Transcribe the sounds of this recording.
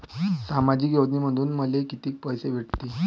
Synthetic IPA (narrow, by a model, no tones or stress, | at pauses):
samad͡ʑiːkjod̪niməɽuːnməlekit̪iːk̚pəjseʋ̤eʈt̪iː